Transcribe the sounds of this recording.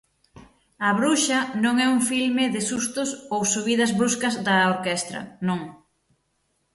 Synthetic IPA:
ɐβɾuʃɐnõŋɛuŋfilmɪðɪsust̪ʊsowsuβiðɐzβɾuskɐzðɐoɾkɛst̪ɾɐ̰nõŋ

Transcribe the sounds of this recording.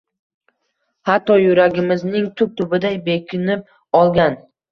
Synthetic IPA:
hat̪ʰːɒjʊɾaɡʲɪmɪznɪŋt̪ʰʊp̚t̪ʰʊbɪd̪ajbe̞kʲʰɪnɪp̚ | ɒlˠɡʲan

